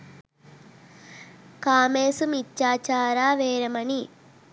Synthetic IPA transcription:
kaːmeːsumit͡ʃːaːt͡ʃaːɾaːʋeːɾɐmɐni

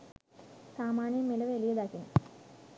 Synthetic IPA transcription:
saːmaːnjəmːilɐʋelijəd̪akin

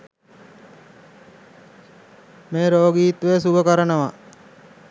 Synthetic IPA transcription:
meːɾoːɡiːt̪ʋesuʋəkəɾənəʋa

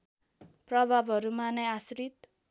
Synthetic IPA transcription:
prʌbʱabʱʌɾumanʌasɾit̪

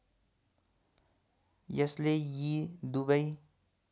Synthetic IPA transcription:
jʌslejid̪ubəi

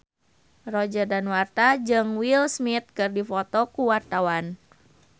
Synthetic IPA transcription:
rɔd͡ʒərdanwart̪ad͡ʒɨŋwilsmit̪̚kɨrdifɔt̪ɔkuwart̪awan

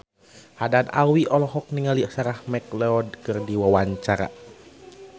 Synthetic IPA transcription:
hadana̰wiʔɔlɔɦɔk̚niŋaliasaɾahmɛklɛɔd̚kɨrdiwawaɲt͡ʃaɾa̰

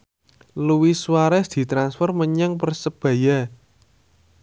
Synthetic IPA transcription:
luwiswaɾɛsd̪̥i̤t̪ɾansfɔrməɲəŋpərsəb̥a̤ja

